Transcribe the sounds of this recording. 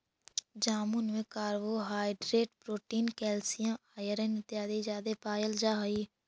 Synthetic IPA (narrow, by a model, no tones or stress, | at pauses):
d͡ʒaːmunʋẽːkaːɾʋoːɦaːiɖɾeːʈpɾoːʈiːnkɛːlsɪjãːʔaːjəɾẽːnɪt̪jaːd̪eːd͡ʒaːd̪eːpaːjəld͡ʒaːɦiː